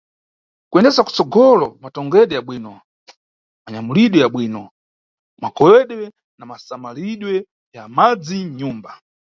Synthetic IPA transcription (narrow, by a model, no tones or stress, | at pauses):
kuɛndɛsaku̥t͡sɔɡɔlɔmatɔŋɡɛɗɛaɓwiːnɔ | maɲamuliɗwɛaɓwiːnɔ | makɔwɛɗwɛ | namasamaliɗwɛ | jamad͡ziɲuːmba